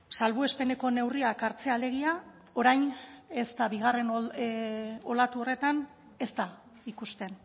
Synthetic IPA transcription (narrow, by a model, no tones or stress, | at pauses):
salβue̞spe̞ne̞ko̞ne̞wriakaɾt͡se̞ale̞ɣia | o̞ɾajne̞st̪aβiɣ̞are̞n | o̞lat̪uo̞re̞t̪an | e̞st̪a | ikust̪e̞n